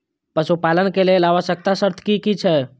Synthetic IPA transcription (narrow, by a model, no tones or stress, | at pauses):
pəsupalənkelelaʋəʃək̚t̪asəɾt̪ʰkikit͡ʃʰɛ